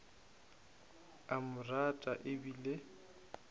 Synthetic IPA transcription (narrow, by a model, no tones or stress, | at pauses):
amʊratʼaʔɪbilɪ